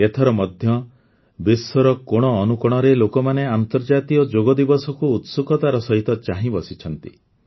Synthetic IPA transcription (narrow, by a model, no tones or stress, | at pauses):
et̪ʰɔɾɔmɔd̪ʱjɔ | biswɔɾɔkoɽ̃ɔːnukɔɽ̃ɔɾelokɔmaneant̪ɔɾd͡ʒat̪iɔd͡ʒoɡɔd̪ibɔsɔkuːt̪sukʰɔt̪aɾɔsɔɦit̪ɔt͡ʃaɦĩbɔsit͡ʃʰɔnt̪i